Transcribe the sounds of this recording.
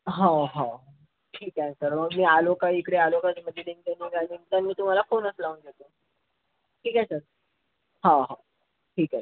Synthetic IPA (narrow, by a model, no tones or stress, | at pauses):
ɦãɦã | ʈʰiːkãsəɾməɡmiːalokaikɽealokat͡sməd̪ʱiliŋd̪eneɡanint̪anːiːt̪um̤alafonəslaʋunɡet̪o | ʈʰiːkasəɾ | ɦãɦã | ʈʰiːka